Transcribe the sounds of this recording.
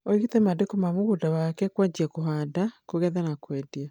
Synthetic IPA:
oiɣitɛmadekomamoɣudawakɛkwad͡ʒiakoɦaːdakoɣɛðanakwɛdia

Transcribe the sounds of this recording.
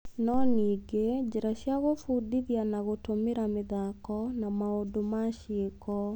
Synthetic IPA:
nɔniɡed͡ʒɛɾaɕjaɣofudiðjanaɣotomeɾameðakɔnamaodomaʃekɔ

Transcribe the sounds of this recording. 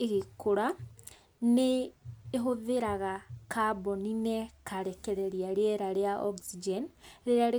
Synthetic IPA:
eɣikoɾa | neː | ɦoðeɾaɣakaboninekaɾekeɾeɾiaɾeeɾaɾeaoɡsid͡ʒenɾeɾaɾe

